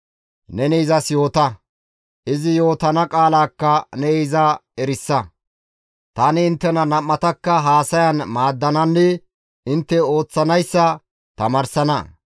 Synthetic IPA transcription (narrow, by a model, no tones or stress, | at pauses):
nɛniɪzɐsjo̞ːt̪ɐ | ʔɪzɪjo̞ːt̪ɐnɐkʼaːlaːkːɐnɛɪzɐɛɾɪsːɐ | t̪anɪɪnt̪ːɛnɐnɐmːɐt̪ɐkːɐɦaːsɐjɐnmaːd̪ːɐnɐnːɪ | ɪnt̪ːɛo̞ːt͡sːɐnɐjsːɐ | t̪ɐmɐːɾsɐnɐ